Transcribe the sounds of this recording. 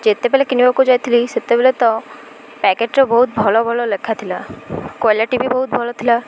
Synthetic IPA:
d͡ʒet̪ːepɛːlekinibakod͡ʒaːjt̪ʰiliset̪ːebelet̪ɔ | pɛkeʈɾɔbɔɦut̪̚bʱɔlɔbʱɔlɔlɐkʰːat̪ʰilakɔːliʈibʱibɔɦut̪̚bʱɔlɔt̪ʰila

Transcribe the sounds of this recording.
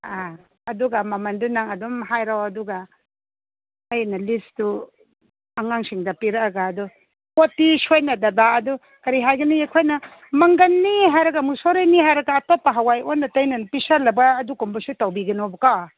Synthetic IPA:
a | ɐduɡamɐmɐndunaŋɐdɔmɦajɾawɐduɡa | jnɐlistu | aŋaŋsiŋdɐpiɾɐkaɡaːdu | kotisojnɐdɐbaɐdu | kɐɾiɦajɡɐniekʰojnɐ | mɐŋɡɐnːiɦajɾɐɡɐmusoɾejniɦajɾɐɡaːtopːaɦawajonːɐtɐjnɐnpisaɾlɐbaːdukɔmbɐsutɐwbiɡɐnobɐka

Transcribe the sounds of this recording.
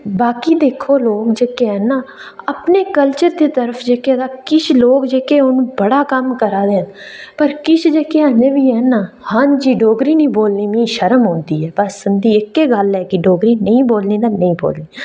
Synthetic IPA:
baːkiːd̪eːkʰoːloːkd͡ʒeːkeɛːnaːəpneːkəlt͡ʃəɾd̪eːt̪əɾəpʰd͡ʒeːkeːd̪aːkɪt͡ʃʰloːkd͡ʒeːkeːʊnũːbəɽaːkəmkəɾaːd̪eːn | pəɾkɪt͡ʃʰd͡ʒeːkeːaneːʋiːɛːnaː | hãːnd͡ʒiːɖoːɡɾiːnĩːboːlniːmĩːʃəɾəmɦõːnd̪iːɛːbəsənd̪iːɪkːeːɡəlɛːkɪɖoːɡɾiːnəĩːboːlnĩːd̪aːnəĩːbo̰ːlniː

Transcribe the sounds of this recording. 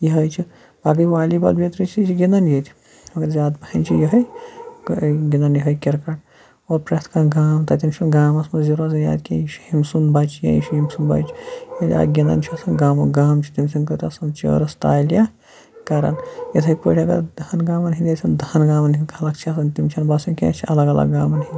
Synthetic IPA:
jiɦɐjt͡ʃʰi | baːɡɐjʋaːlibɐ̰lbʲet̪ɾit͡ʃʰit͡ʃʰiɡinɐnjet̪ʰʲi̥ | mɐɡɐɾzʲaːd̪bɐhɐnt͡ʃʰijɐɦɐj | ɡʲind̪ɐnjɐɦɐjkʲiɾkɐʈ̚ | oːɾpɾɐt̪ʰkaɡaːmt̪ɐt̪imt͡ʃʰunɡaːmɐsmɐziɾaːzɐnja̰ːd̪kʲĩjiʃi̥himsunbat͡ʃjɐ̰̃jiʃuɦimsunba̰t͡ʃjɐt̪ʲa̰ːɡʲind̪ɐ̰nt͡ʃʰɐt̪ʰɐnɡaːmɐɡaːmt͡ʃʰi̥t̪imsinkɐt̪ɐsɐnt͡ʃo̰ːɾɐst̪a̰ːjlja | kɐɾɐ̰njɐt̪ʰɐjpoːʈʰʲiɐɡɐ̰ɾd̪ʱɐnɡaːmɐnɦind̪et͡ʃʲʰɐnd̪ʱɐnɡaːmɐnɦinkʰɐlɐkt͡ʃʰiɐsɐnt̪imt͡ʃʰɐnbaːsɐnkʲḛːt͡ʃʰiɐ̰lɐɡɐlɐ̰ɡːaːmɐnɦind̪ʲi

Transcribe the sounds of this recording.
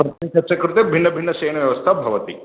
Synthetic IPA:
pɾɐt̪it͡ɕɐɾt͡ʃɐkɾut̪ebʱinːɐbʱiɳːɐʃɐːjnɐʋjɐʋɐst̪ʰabʱɐʋɐt̪ḭ

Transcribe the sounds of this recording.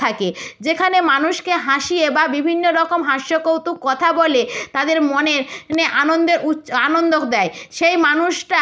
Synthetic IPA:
aked͡ʑekʰanemanuʃkeɦãʃiebabibʱinːoɾɔkomɦãʃːokowt̪ukːɔt̪ʰabolet̪ad̪eɾmoneɾneʔanond̪eɾuanond̪okd̪ɛeʃejmanuʃʈa

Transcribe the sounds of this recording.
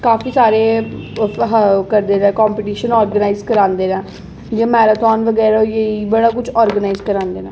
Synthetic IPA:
kaːfʰiːsaːɾeː | ɦkəɾd̪eːɾɛ̃ːkɔːmpɪʈiːʃənɔːɾɡənaːizkəɾãːnd̪eːnãː | d͡ʒãːmɛːɾaːt̪ɔːnʋəɡɛːɾajeiːbəɽaːkʊd͡ʒɔːɾɡənaːɪzkəɾãːnd̪eːnãː

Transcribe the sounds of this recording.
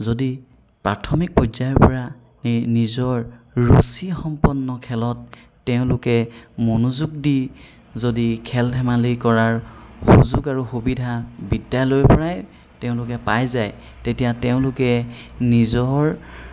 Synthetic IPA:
zodi | pɹatʰɔmik̚pɔzajɔɹpɔɹa | nnizɔɹɹusixɔmpɔnːɔkʰɛlɔtː | ɛʊ̃lʊkɛmonuzuɡ̚di | zodikʰɛldʱʰɛmalikɔɹaɹxuzuɡaɹuxubidʱabidːalojpɔɹaj | tɛʊ̃lʊkɛpajzaj | tetijatɛʊ̃lʊkɛnizɔɹ

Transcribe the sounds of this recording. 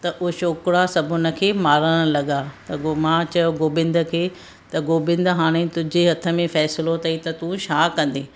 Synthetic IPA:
t̪ɐʔʊʃoːkɾasɐbʱʊnə̆kʰeːmaːɾəɽ̃̆lɐɠat̪ɐmãt͡ɕɐjoɡoːbɪ̃nd̪ə̆kʰeː | t̪ɐɡoːbɪ̃nd̪əɦaːɽ̃et̪ʊd͡ʑeɦɐt̪ʰə̆mẽfɛːsɪlot̪ɐit̪ɐt̪uʃaːkɐ̃nd̪eː

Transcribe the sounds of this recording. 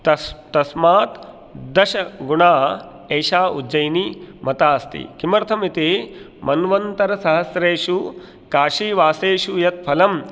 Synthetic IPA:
t̪ɐt̪ɐsmaːt̪ | d̪ɐʃɐɡuɳaː | eːʃaːud͡ʒɐjnimɐt̪aːst̪ḭkimɐɾt̪ʰɐmit̪e | mɐnʋɐnt̪ɐɾɐsɐɦɐsɾeːʂu | kaːʂiːʋaːseːʂujɐt̪̚pʰɐlɐm

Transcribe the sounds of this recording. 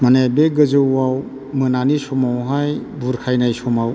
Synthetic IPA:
manabeɡɯzɯaw | mɯnanisɔmawɦajbuɾkʰajnajsɔmaw

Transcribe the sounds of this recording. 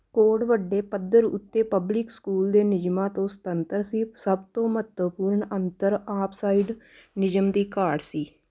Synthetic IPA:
koːɖʋəɖːeːpəd̪əɾʊ̰t̪ːeːpəblɪkskuːld̪eːnɪd͡ʒmãːt̪õːsə̥t̪ənt̪əɾsiːsəbt̪õːmət̪əpuːɾɳənt̪əɾaːpʰsaːiɖ | nɪd͡ʒəmd̪iːkaːɖsiː

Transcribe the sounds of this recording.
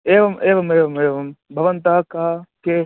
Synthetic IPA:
eːʋɐmeːʋɐmeːʋɐmeːʋɐmbʱɐʋɐnt̪aːkaːkeː

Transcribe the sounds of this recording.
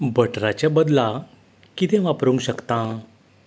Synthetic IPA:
bʱəʈɾat͡ɕjabəd̪la | kit̪ẽʋapɾũŋɡɕəkt̪ã

